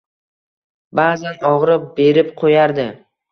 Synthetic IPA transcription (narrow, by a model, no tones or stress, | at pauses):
baːzanɒʁɾɪp̚be̞ɾɪpqʰojaɾd̪ɪ